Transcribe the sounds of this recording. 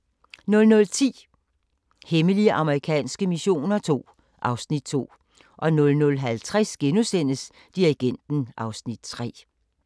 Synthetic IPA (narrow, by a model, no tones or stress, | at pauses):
nɔ̽lnɔ̽lt͡sʰḭː | heməliəʔɑ̈məʁikʰɛ̰ːnsɡ̥əmiɕo̝̰ːnɐt͡sʰo̝̰ː | ʔɑ̈ʊsnid̥̚t͡sʰo̝̰ː | ʔɒ̽nɔ̽lnɔ̽lɦælt͡sʰʁasɡ̥enusen̰əs | d̥iʁiɡ̥en̰d̥n̩ʔɑ̈ʊsnid̥̚t͡sʰʁɛ̰ː